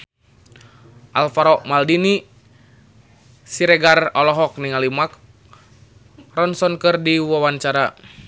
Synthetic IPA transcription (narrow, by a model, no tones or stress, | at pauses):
ʔalfaɾɔʔmaldini | siɾɛɡarɔlɔɦɔk̚niŋalimak̚ | rɔnsɔnkɨrdiwɔwaɲt͡ʃaɾa